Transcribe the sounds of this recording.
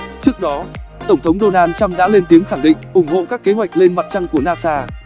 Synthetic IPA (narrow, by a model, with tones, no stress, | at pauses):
t͡ɕɨ˦˥ək̚ɗɔ˨˦t̪ə˧˩ŋ͡mt̪ʰə˨˦wŋ͡mɗo˧naː˧nt͡ɕa˧mɗa̰ː˧˥le˧nt̪i˨˦əŋxa˧˩ŋɗḭ̈˧˨ŋʔʊ˧˩ŋ͡mho̰˧˨kaː˦˥kːe˨˦ɦwa˨˩jk̟̚le˧nma˨˩t̚t͡ɕa˧ŋku˧˩ənaː˧saː˧